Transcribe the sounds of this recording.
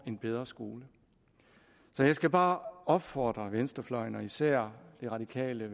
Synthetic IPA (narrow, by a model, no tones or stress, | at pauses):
e̝nb̥eð̞ˠʁɐsɡ̥o̝ːlə | sɒ̽jɑ̈ɪsɡ̥æb̥ɑ̈ːɒ̽b̥fɒːd̥ʁɐʋensd̥ɐflɒ̽ɪ̰nɒ̽isæɐ̰d̥e̝ʁɑ̈d̥ikʰɛ̰ːlə